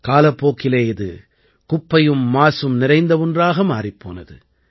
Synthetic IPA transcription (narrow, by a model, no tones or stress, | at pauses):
kaːlɐpːoːkːɪleɪðɯ̰ | kʊpːɐjɯmːaːsɯmnɪɾɐɪnd̪ɐʋɔndraːɣɐmaːripːo̰ːnɐ̰ðɯ̰